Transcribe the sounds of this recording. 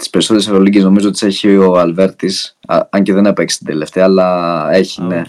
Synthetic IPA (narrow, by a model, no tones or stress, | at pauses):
t̪ispe̞ɾiso̞t̪eɾesɐɾoliɟezno̞mizoot̪iseçioɐlve̞ɾt̪isɐɲceðenepekst̪ind̪e̞le̞ft̪eɐːlɐeçine̞